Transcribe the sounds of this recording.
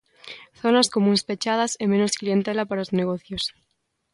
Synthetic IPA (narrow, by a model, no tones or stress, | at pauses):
θonaskomũnspet͡ʃað̞asemẽnosklient̪elapaɾaozneɣ̞oθjos